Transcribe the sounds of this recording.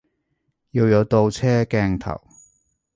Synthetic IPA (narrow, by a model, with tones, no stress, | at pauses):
ji˧wjɐ˨˧wt̪o˧wt͡sʰɛː˥kɛː˧ŋt̪ʰɐ̰˨˩w